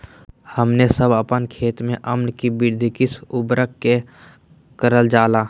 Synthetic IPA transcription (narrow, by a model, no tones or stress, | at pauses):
həmnesəbəpənkʰeːt̪mẽʔəmnkibɪɾd̪ʱikɪsʊbɾəkːe | kəɾəld͡ʒaːlaː